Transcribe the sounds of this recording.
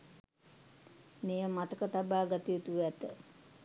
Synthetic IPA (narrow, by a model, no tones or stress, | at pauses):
meːjəmat̪əkət̪abaːɡat̪iut̪uɛt̪ə